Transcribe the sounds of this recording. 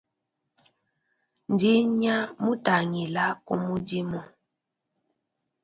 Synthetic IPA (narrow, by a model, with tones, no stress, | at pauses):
n˨di˦ɲa˦mu˦ta˨ŋi˨la˦kṵ˦mu˦di˦mɔ˨